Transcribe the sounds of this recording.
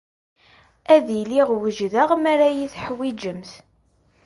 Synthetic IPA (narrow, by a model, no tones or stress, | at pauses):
æðiliʁwəʒðaʁmæɾæjiθħwid͡ʒəmθ